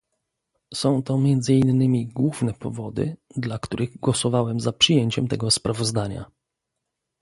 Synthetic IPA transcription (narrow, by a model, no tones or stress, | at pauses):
sɔ̃w̃t̪ɔmʲjɛnd̪zɘinːɘmʲiɡwuvnɛpɔvɔd̪ɘ̰d̪lakt̪uɾʔɘɣɡwɔsɔvawɛmzapʂɘjeɲt͡ɕɛmt̪ɛɡɔspɾavɔzd̪aɲa̰